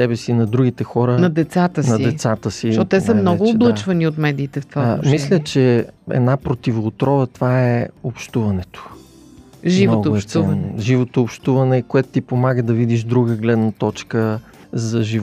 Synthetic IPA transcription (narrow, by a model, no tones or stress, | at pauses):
sɛbɛsinɐd̪ɾuɡit̪ɛxɔɾənɐd̪ɛt̪sat̪əsnɐiɛsat̪əsit̪ɛsəmnɔɡʊːblˠət͡ʃvɐniot̪mɛd̪iːt̪ɛft̪vamislʲət͡ʃɛɛ̰d̪napɾot̪ivoːt̪ɾɔvət̪vaɛopʃt̪uvɐnɛt̪o̥ | ʒivnoɔɡ̪oʊɛʃt̪uvɐnʒivot̪oːpʃt̪uvɐnɛkoɛt̪ʊ̥t̪ipomaɡəd̪ɐvid̪iʃd̪ɾuɡəɡlɛd̪nət̪ɔt͡ʃkə | zɐʒiv